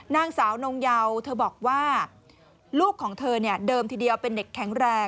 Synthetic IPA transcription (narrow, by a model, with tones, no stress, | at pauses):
naː˧ŋsaː˩˦wno˧ŋja˧wt̪ʰɤː˧bɔː˨˩k̚waː˥˩ | luː˥˩kʰːɔː˩˦ŋt̪ʰɤː˧ni˥˩ɐdɤː˧mt̪ʰiː˧di˧əwpe˧nde˨˩kʰːɛ˩˦ŋɾɛː˨˩